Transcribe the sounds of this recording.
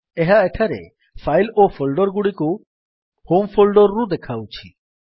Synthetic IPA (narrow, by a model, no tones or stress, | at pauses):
eɦaeʈʰaɾḛ | pʰajlopʰolɖɔɾɡuɽiku | hompʰolɖɔɾːud̪ekʰawt͡ʃʰi